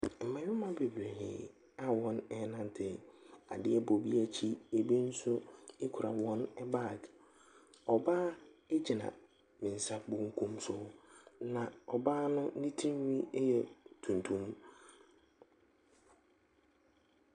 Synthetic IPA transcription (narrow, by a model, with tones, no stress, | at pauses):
m̩˨mã˨ɲɪ̃˦mã˦be˨bɾe˨hɪ̰˨ | a˨wɔ̃˦nɛ˦˨˦nã˦n˨tʰɪ˨a̰˨dɪ˦ɛ˦bo˨bi˦a˦t͡ɕʰi˦e˨be˦n̩˦sʊ˦e˦kʰu˨ɾa̰˨wɔ̃˦nɛ˦ba˦˨ɡ | ɔ˨baː˦e˦d͡ʑi˨nã̰˨ | mɪ̃˨n˨sa˦bʊ̃˦ŋ˦kʰũ˦msʊ˦nã˨ɔ˨baː˦nʊ̃˦nĩ˦tʰĩ˦m˦nĩ˦jɛ˨tʰũ˨n˨tʰũ˦m